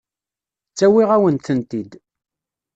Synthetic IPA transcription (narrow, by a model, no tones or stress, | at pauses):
t͡sːæwiʁæwənt̪ənt̪id̪